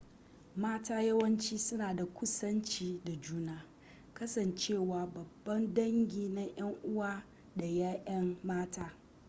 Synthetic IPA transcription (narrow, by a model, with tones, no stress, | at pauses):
maː˦taː˦jɐ˦wɐ˦nt͡ʃiː˦sʊ˦naː˨da˨kʷʊ˦sɐ˦nt͡ʃiː˦da˨d͡ʒuː˦naː˦ | kɐ˦sɐ˨nt͡ʃeː˦˨waː˨bɐ˨bːɐ˦ndɐ˦ŋɡʲiː˨na˦j̰ɐ˦ŋʔʊ˦waː˦ | da˨jaː˦ʔɐ˦mmaː˦tʰaː˦